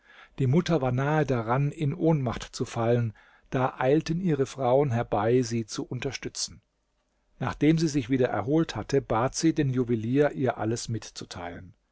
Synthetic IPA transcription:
d̥iːmʊtɐvaːɐnaːədaʁanɪnʔoːnmaχtt͡sufalən | d̥aːʔaɪltənʔiːʁəfʁ̥aʊənɦɛɐbaɪziːt͡suʔʊntɐʃtʏt͡sn̩ | naːχd̥eːmziːzɪçv̥iːdɐʔɛ̰ɐɦoːlthatʰəbaːtz̥iːdeːnjuviliːɐʔiːɐʔa̰ləsmɪtt͡su̥tʰaɪlən

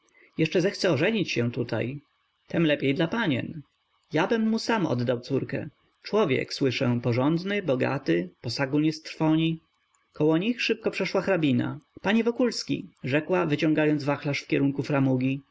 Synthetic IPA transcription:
jɛʂt͡ʂɛzɛxt̪sɛɔʐɛɲit͡ɕɕɛ̃t̪ut̪a̰j | t̪ɛmlɛpʲjejd̪lapaɲɛ̰n | jabɘmːusamɔ̰d̪d̪awt̪suɾkɛ̰ | t͡ʂwɔvʲjɛ̰kswɘʂɛpɔʐɔnd̪nɘbɔɡa̰t̪ɘpɔsaɡuɲɛst̪ɾfɔɲi | kɔwɔɲixʂɘp̚kɔpʂɛʂwaxɾabʲina̰paɲɛvɔkulskʲḭʐɛkwavɘt͡ɕɔ̃ŋɡajɔnd̪zvaxlaʂfkʲɛɾuŋkufɾamuɡʲi

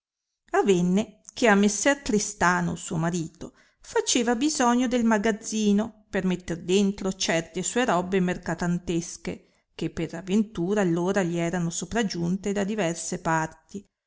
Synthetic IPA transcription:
avɛnːekeamːesːɛrkɾist̪aːno̰suomaɾiːt̪o | fat͡ʃeːvabizɔɲːod̪elmaɡad̪zːiːnopermet̪ːerd̪ent̪ɾot͡ʃɛrt̪esuːeɾɔbemerkat̪ant̪eske | k̟epːeɾavːent̪uːɾaːlːoːɾaʎiɛːɾanosopɾad͡ʒunt̪ed̪ad̪ivɛrsepart̪i

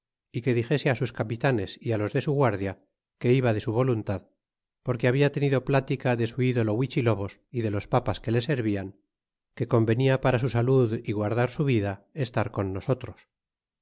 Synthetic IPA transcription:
ike̞ðixe̞se̞asuskapit̪ane̞sialo̞zðe̞suɣwaɾðja | ke̞iβ̞aðe̞suβ̞o̞lunt̪að | po̞ɾke̞aβiat̪e̞niðo̞plat̪ikaðe̞suiðo̞lo̞wit͡ʃilo̞βo̞siðe̞lo̞spapaske̞le̞se̞ɾβiaŋ | ke̞ko̞mbe̞niapaɾas̬usaluðiɣwaɾðaɾsuβiðaest̪aɾko̞nːo̞so̞t̪ɾo̞s

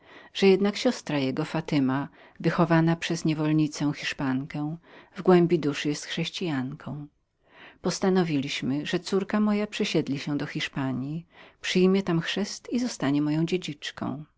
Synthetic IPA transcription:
ʐ̥ɛjɛd̪nakɕɔst̪ɾajɛɡɔfat̪ɘma | vɘxɔvanapʂɛzɲɛvɔlɲit̪sɛw̃xʲiʂpaŋkɛ̃vɡwɛmbʲid̪uʂɘjɛst̪xʂɛɕt͡ɕijaŋkʰɔ̃w̃ | pɔst̪anɔvʲilʲiɕmɘʐɛt̪suɾkamɔjapʂɛɕɛd̪lʲiɕɛ̃d̪ɔxʲiʂpaɲjipʂɘjmʲjɛt̪amxʂɛst̪izɔst̪aɲɛmɔjɔ̃w̃d͡ʑed͡ʑit͡ʂkɔ̰̃w̃

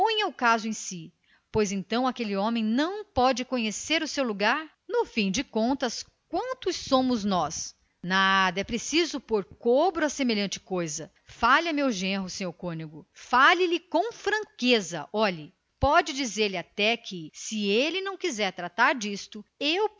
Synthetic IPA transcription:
põɲɐʊkazʊẽj̃si | pojzẽt̪ɐ̃w̃akelɪõmẽj̃nɐ̃w̃pɔd͡ʒɪkõɲeseɾʊsewluɡaɾ | nʊfĩj̃d͡ʒɪkõnt̪ɐs | k̚wɐ̃nt̪ʊsːõmʊznɔs | nad̪ɐɛpɾesizʊpoɾkobɾʊɐsemeʎɐ̃nt͡ʃɪ̥kojzɐ | faʎɐmewʒẽɦʊsẽɲoɾkõniɡʊfalɪlɪkõw̃fɾɐ̃kezɐ̰ʔɔʎɐ | pɔd͡ʒɪd͡ʒizeɾlɪat̪ɛkʰɪsɪelɪnɐ̃w̃kizɛɾt̪ɾat̪aɾd͡ʒist̪ʊew

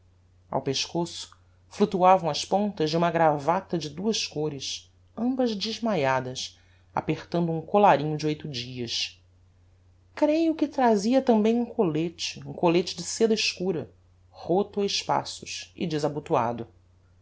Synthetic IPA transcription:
a̰wpeʃkosʊ̥ | flut̪uavɐ̃w̃ɐspõnt̪ɐʒd͡ʒɪumɐɡɾavat̪ɐd͡ʒɪd̪uɐʃkoɾɪʃ | ɐ̃mbɐzd͡ʒɪʒmajad̪ɐs | a̰peχt̪ɐ̃nd̪ʊũŋkolaɾĩɲʊd͡ʒɪojt̪ʊd͡ʒiɐʃ | kɾejʊkɪt̪ɾaziɐt̪ɐ̃mbẽj̃ũkolet͡ʃɪũkolet͡ʃɪd͡ʒɪsed̪ɐɪʃkuɾɐ | hot̪ʊɐɪʃpa̰sʊʃɪ̰d͡ʒɪzabut̪ua̰d̪ʊ

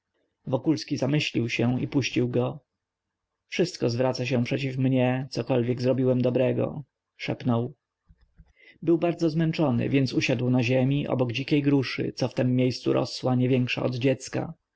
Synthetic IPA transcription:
vɔkulskʲizamɘɕlʲiwɕɛipuɕt͡ɕiwɡɔ | fʂɘst̪̚kɔzvɾat̪saɕɛ̃pʂɛt͡ɕifmɲɛt̪sɔkɔlvʲjɛɡzɾɔbʲiwɛmd̪ɔbɾɛɡɔ̰ | ʂɛ̰pnɔw | bɘwbaɾd̪zɔzmɛnt͡ʂɔnɘ̰vʲjɛnt̪suɕad̪wnaʑemʲiʔɔ̰bɔɡd͡ʑikʲejɡɾuʂɘ̰t̪sɔft̪ɛmːʲjejst̪sṵɾɔ̰swaɲɛvʲjɛŋkʂa̰ɔd̪d͡ʑɛt̪ska̰

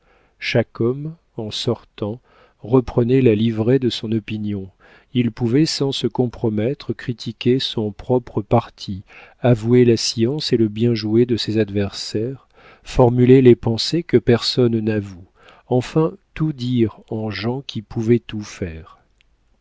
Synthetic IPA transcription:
ʃakɔm | ɑ̃sɔʁt̪ɑ̃ | ʁəpχənɛlalivʁed̪əsɔ̃nɔpinjɔ̃ | ilpuvɛsɑ̃səkɔ̃pχɔmɛt̪χəkχit̪ʰikʲesɔ̃pχɔpχəpaʁt̪ʰiavuelasiɑ̃seləbjɛ̃ʒued̪əsezad̪vɛʁsɛʁ | fɔʁmylelepɑ̃sekəpɛʁsɔnːavu | ɑ̃fɛ̃t̪ud̪iʁɑ̃ʒɑ̃kʲʰipʰuvɛt̪ufɛːʁ

